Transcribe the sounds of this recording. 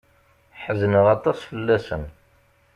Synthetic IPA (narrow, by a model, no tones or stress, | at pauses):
ħəzənəʁɑt̪ˤɑsfəlːæsən